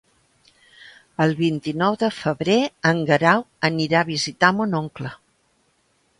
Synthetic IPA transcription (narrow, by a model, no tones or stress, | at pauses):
əlˠβint̪inɔwðəfəβɾeəŋɡəɾawəniɾaβizit̪amunoŋklə